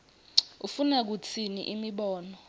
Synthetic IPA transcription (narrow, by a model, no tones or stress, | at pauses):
ufunɛk̬ut͡sʰinḭʔimiɓɔːnɔ